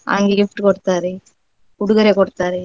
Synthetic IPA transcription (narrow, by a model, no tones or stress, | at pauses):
a̰ŋɡeɡɪfʈɯkɔɽɯt̪ːaːɾe | kʊɽʊɣɐɾekɔɽɯt̪ːaːɾe